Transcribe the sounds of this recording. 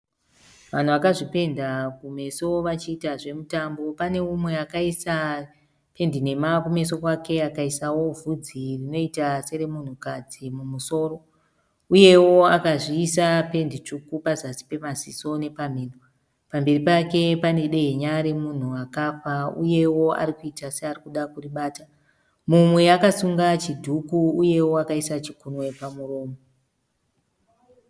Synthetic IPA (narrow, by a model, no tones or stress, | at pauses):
ʋan̤uʋakaʐipe̞ndakume̞so̞ʋat͡ʃiːtaʐe̞mutambo̞pane̞umwe̞akaisa | pe̞ndine̞makume̞so̞kwake̞akaisawo̞vʱud͡zirino̞itase̞ɾe̞mun̤ukad͡zimumuso̞ːɾo̞ | uje̞wo̞akaʐiːsape̞ndit͡ʂukupazasi̥pe̞maziso̞ne̞pam̤iːno | pambe̞ripake̞pane̞ɗe̞ɦeɲaɾe̞mun̤uakafaṵje̞wo̞a̰ɾikuitasearikuɗakuriɓaːta | mumwe̞akasuŋɡat͡ʃidʱukuːje̞wo̞akaisat͡ʃikunwe̞pamuro̞ːmo